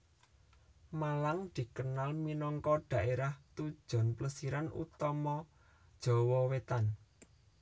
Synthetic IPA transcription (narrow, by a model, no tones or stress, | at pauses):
malaŋd̪̥i̤kənalminɔŋkɔɖ̪̥ä̤ʔeɾaht̪ud̥ʒ̥ɔ̤npləsiɾanṵt̪ɔmɔ | d̥ʒ̥ɔ̤wɔwet̪an